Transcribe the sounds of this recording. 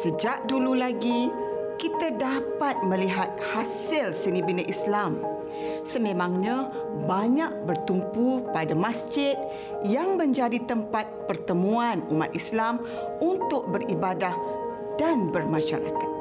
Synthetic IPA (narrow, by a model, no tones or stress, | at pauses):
səd͡ʒaʔ̚dululaɡi | kit̪adapat̪̚məliɦat̪̚hasɪlsənibinaʔislam | səmẽmaŋɲa | baɲaʔ̚bərt̪umpupadamasd͡ʒɪt̪̚ | jaŋməɲd͡ʒadit̪əmpat̪̚pərt̪əmuanuma̰t̪̚islam | unt̪ʊk̚bəribadah | d̥anbərmaʃa̰ɾa̰kḁt̪̚